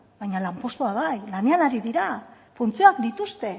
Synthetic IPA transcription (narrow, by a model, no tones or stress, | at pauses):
βajɲalampo̞st̪oaβajlane̞anaɾiðiɾa | funt͡sioak̚d̪it̪ust̪e̞